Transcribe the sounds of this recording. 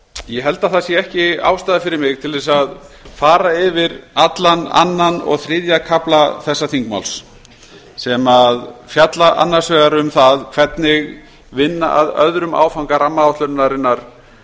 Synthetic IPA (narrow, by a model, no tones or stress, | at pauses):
jɛɦɛl̪t̪aθasjɛɛhcɪa̰ːwst̪aːðafɪɾɪɾmɪɣt̪ʰɪlvɛs̬aðfaːɾaɪvɪɾat̪lana̰nːanɔ̰ɣθɾɪðjakʰaplaθɛsːaθiŋkma̰wls | sɛmaðfjat̪laʔa̰nːḁsɛːɣaɾʏmθaðkʰv̥ɛt̪nɪɣ | vɪnːa̰ʔaðœ̰ðɾʏma̰ːwfawŋkaɾamːaawht̪lœɾnːaɾɪnːaɾ̥